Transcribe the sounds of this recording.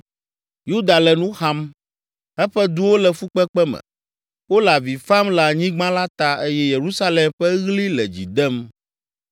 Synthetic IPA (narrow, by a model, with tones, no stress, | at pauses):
ju˦d̪a˨lɛ˨nũ˦xa˦m | ɛ˦ɸɛ˦d̪u˦wo˦lɛ˨fu˦k͡pɛ˦k͡pɛ˦mɛ̰̃˨ | wo˦la˨vi˨fa˦mla˨ɲĩ˦ɡ͡bã˦la˦t̪a˦e˦jɛ˦je˨ɾu˦sa˦lɛ˨mɸɛ˦ɣli˦lɛ˨d͡ʑḭ˨d̪ɛ˦m